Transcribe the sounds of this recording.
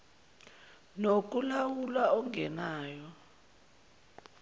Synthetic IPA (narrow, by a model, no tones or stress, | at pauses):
nok̬ʼulawulaɔŋɛnaːjɔ